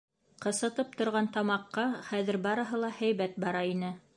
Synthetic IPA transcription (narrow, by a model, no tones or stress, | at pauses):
qɤ̆sɤ̆t̪ɤp̚t̪ŏɾʁɑnt̪ɑmɑqːɑχæðɘɾbɑɾɤ̆ɦɤlˠɑhæjβæt̪̚bɑɾɑinɘ